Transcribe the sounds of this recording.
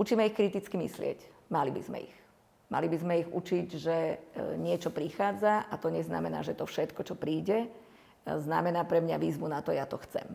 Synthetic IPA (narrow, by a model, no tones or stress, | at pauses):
ʔut͡ʃiːmɛixkɾit̪it͡skimḭslɪɛ̰cmalibḭzmɛ̰ḭx | ma̰libizmɛiɣṵt͡ʃiɟʒɛɲɪɛt͡ʃɔpɾixaːd͡zaat̪ɔɲɛzna̰mɛna̰ːʒɛt̪ɔfʃɛt̪kɔt͡ʃɔpɾiːɟɛ | zna̰mɛnaːpɾɛmɲaʋiːzʋunat̪ɔjat̪ɔxt͡sɛ̰m